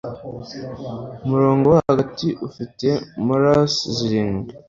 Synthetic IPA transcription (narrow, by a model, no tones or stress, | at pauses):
umuɾo̞ːŋɡowahhaɡatiʔufite̞muɾasziɾiːŋɡe